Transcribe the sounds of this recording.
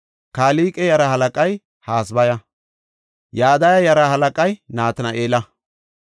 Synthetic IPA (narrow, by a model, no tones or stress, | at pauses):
kaːliːkʼɛjɐɾɐhɐlɐkʼɐj | haːsbɐjɐ | jaːd̪ɐjɐjɐɾɐhɐlɐkʼɐjnaːt̪ɐnɐʔeːlɐ